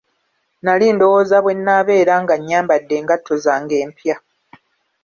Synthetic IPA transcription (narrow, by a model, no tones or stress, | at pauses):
nalindo̞woːzaβwe̞nːaːβe̞ːɾaːŋɡaɲːaːmbadːe̞ːŋɡatʰːozaːŋɡe̞ːmpja